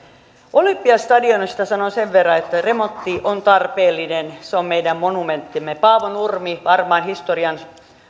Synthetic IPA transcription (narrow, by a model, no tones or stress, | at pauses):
ʔolimpːiɑst̪ɑdionist̪ɑsɑnoseʋʋerːɑet̪ːæremot̪ːiʔont̪ɑrpeːlːinenseommeidæmmonument̪ːimːepɑːʋonurmiʋɑrmɑːnhist̪oriɑn